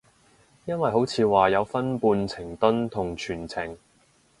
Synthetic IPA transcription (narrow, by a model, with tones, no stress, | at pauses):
jɐ˥nwɐ˨jɦo˨˥wt͡sʰiː˨˧waː˨˩jɐ˨˧wfɐ˥npuː˧nt͡sʰɪ˨˩ŋt̪ɵ˥nt̪ʰʊ˨˩ŋt͡ʃʰyː˨˩nt͡sʰɪ˨˩ŋ